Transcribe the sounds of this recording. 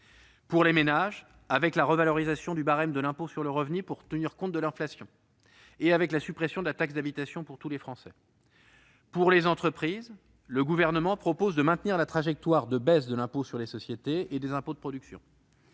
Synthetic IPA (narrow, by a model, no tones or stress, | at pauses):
puʁlemenaʒ | avɛklaʁəvalɔʁizasjɔ̃d̪ybaʁɛmd̪əlɛ̃posyʁləʁəvnypuʁt̪əniʁkɔ̃t̪̚d̪əlɛ̃flasjɔ̃ | eavɛklasypχesjɔ̃d̪əlat̪aksd̪abit̪asjɔ̃puʁt̪ulefχɑ̃sɛ | puʁlezɑ̃t̪χəpχiz | ləɡuvɛʁnəmɑ̃pχɔpozd̪əmɛ̃t̪niʁlat̪χaʒɛk̚t̪waʁd̪əbɛsd̪əlɛ̃posyʁlesɔsjet̪eed̪ezɛ̃pod̪əpχɔd̪yksjɔ̰̃